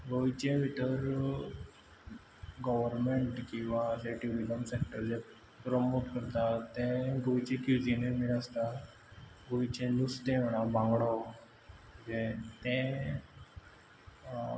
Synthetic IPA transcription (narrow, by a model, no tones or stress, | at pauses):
ɡojit͡ɕẽʋiʈəɾ | ɡəʋəɾmeɳʈkĩw̃ʋaleʈiʋiləmsek̚ʈəɾd͡ʑe | pɾɔmoʈkəɾt̪at̪ɛ̃ɡojt͡ɕẽkud͡ʑinemiləst̪a | ɡoit͡ɕẽnust̪ẽʋ̤əɽ̃abãŋɡɭaw | d͡ʑẽt̪ẽ